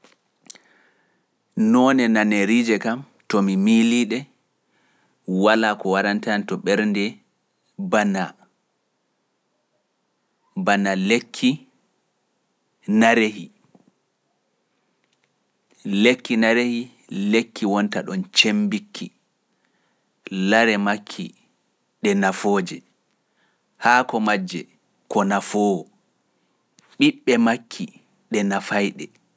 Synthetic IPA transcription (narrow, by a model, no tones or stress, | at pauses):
nɔnɛnaneɾiːd͡ʒɛkam | tɔmimiliːɗɛ | walakɔwaɾantantɔɓɛɾndɛ | bana | banalekʰːi | naɾehi | lekːinaɾehi | lekːiwɔntaɗɔnt͡ʃembikʰːi | laɾɛmakʰːi | ɗɛnafoːd͡ʒɛ | haːkɔmad͡ʒːɛ | kɔnafoːwɔ | ɓiɓːɛmakʰːi | ɗɛnafajɗɛ